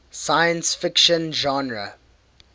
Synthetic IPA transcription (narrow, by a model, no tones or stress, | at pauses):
sajə̃nsfɪkʃə̃nʒɑ̃nɹə̰